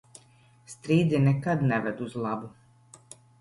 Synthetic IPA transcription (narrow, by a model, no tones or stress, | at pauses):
st̪ɾiːd̪inɛkad̪neʋed̪uzlˠabu